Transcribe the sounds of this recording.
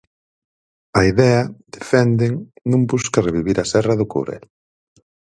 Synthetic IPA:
ɐiðɛɐd̪efɛnd̪eŋnũŋbuskɐreβiβiɾɐsɛrɐðʊko̰ɾɛ̰l

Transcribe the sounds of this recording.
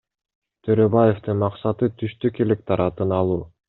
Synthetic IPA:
t̪ʰøɾøbajeft̪ɯnmɑqsɑt̪ɯt̪ʰyʃt̪ykelek̚t̪ʰɑɾɑt̪ɯnɑlˠuː

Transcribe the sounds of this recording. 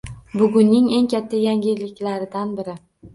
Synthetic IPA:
bʊɡʲʊnːɪŋe̞ŋkʲʰat̪ʰːajaŋʲɪlɪkʲlaɾɪd̪anbɪɾɪ

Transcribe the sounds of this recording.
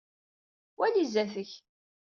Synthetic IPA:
wælizæθəç

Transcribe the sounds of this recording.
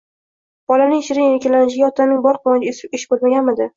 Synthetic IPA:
b̥ɒlanɪŋʃɪɾɪŋeɾkʲalanɪʃ̬ɪɡʲaɒt̪ʰanɪŋbɒɾqʰlˠɒnɪɡʲaesɪɪʃbolmaɡʲanmɪd̪ɪ

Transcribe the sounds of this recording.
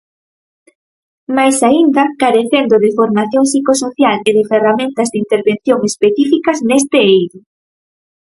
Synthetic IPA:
majsaind̪ɐkaɾeθend̪oðɪfoɾmaθjoŋsikosoθjaleðɪferamẽnt̪ɐzd̪int̪eɾβen̟θjoŋespeθifikɐznest̪ɪejɾʊ

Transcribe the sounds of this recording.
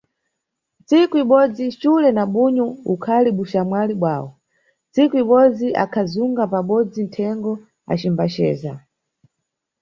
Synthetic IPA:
nt͡sikuiɓɔd͡zit͡ʃulɛnaɓuɲɔukʰaliɓuʃamwaliɓwa̰ːwɔ | nt͡sikuiɓɔd͡ziʔa̰kʰazuŋɡapaɓɔd͡zin̩tʰɛŋɡɔ | a̰t͡ʃimbat͡ʃɛ̰ːza

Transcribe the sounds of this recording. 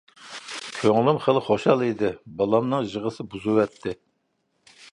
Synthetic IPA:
kʲʰøŋlˠymχəlˠχoʃɑlˠid̪ɪbɑlˠɑmnɨŋʒəʁəsɨbuzuwɛt̪ʰːɪ

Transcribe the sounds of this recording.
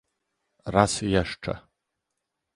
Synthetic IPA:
ɾasjɛʂt͡ʂɛ̰

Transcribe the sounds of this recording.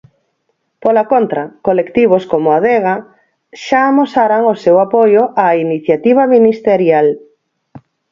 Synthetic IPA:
polakont̪ɾɐkolekt̪iβ̞oskomʊaðeɣa | ʃaːmosaɾaŋosewapojoʔainiθjat̪iβ̞aminist̪eɾjal

